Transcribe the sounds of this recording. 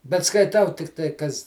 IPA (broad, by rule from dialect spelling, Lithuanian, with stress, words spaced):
bʲɛt skɐɪˈtɐʊ ˈtʲɪktɐɪ ˈkɐs